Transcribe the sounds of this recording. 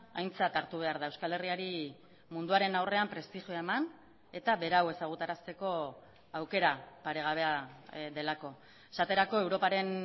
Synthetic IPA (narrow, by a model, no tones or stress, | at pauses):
ajnt͡sat̪aɾt̪uβ̞e̞aɾðae̞wskale̞riaɾi | mund̪uaɾe̞nawre̞ampɾe̞st̪iʝjoaeman | e̞t̪aβe̞ɾawe̞saɣ̞ut̪aɾast̪e̞ko̞ | awke̞ɾapaɾe̞ɣ̞aβ̞e̞aðe̞lako̞ | esat̪e̞ɾako̞e̞wɾo̞paɾe̞n